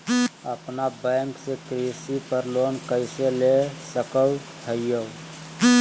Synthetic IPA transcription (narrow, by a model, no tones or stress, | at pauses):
əpnabɛ̃ŋksekɾisipəɾlonkəɪselesəkəwtʰəjjə